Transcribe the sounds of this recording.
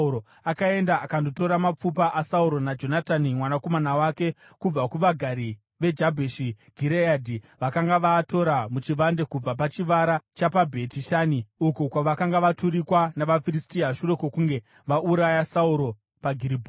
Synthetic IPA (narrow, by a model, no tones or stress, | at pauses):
ɾo | akae̞ndaʔakando̞to̞ɾamap͡fupaʔasauɾo̞nad͡ʒo̞natanimwanako̞manawake̞ | kub͡vakuʋaɡʱaɾi | ʋe̞d͡ʒabʱeʃi | ɡ̥ʱiɾeadʱi | ʋakaŋɡaʋaːto̞ɾamut͡ʃiʋandekub͡vap̬at͡ʃiʋaɾat͡ʃapabʱe̞tiʃaniukukwaʋakaŋɡaʋatuɾikwanaʋafiristiaʃure̞kokuŋɡe̞ | ʋaʔuɾajasauɾo̞ | paɡʱiɾibʱo